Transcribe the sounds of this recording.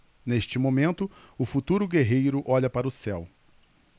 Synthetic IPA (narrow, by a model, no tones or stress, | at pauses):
neʃt͡ʃɪmõmẽnt̪ʊʊfut̪uɾʊɡeɦejɾʊʔɔʎɐpaɾɐʊsɛw